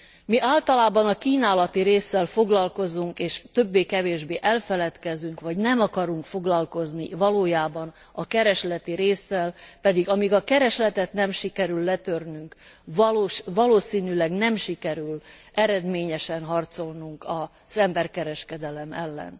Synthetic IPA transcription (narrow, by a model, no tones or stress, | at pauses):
miʔaːlt̪ɒlaːbɒnɒkiːnaːlɒt̪iɾeːsːɛlfo̞ɡlɒlko̞zuŋkeːʃt̪ø̞bːeːkɛveːʒbeːʔɛlfɛlɛt̪kɛzyŋkʋɒɟnɛmɒkɒɾuŋkfo̞ɡlɒlko̞znivɒloːjaːbɒn | ɒkɛɾɛʃlɛt̪iɾeːsːɛlpɛd̪iɡɒmiɡɒkɛɾɛʃlɛt̪ɛt̪nɛmʃikɛɾylːɛt̪ørnyŋkɒlːʃvɒloːsiːnylɛɡnɛmʃikɛɾylʔɛɾɛd̪meːɲɛʃɛnɦɒrt̪so̞lnuŋkɒ | z̥ɛmbɛrkɛɾɛʃkɛd̪ɛlɛmɛ̰lːɛ̰n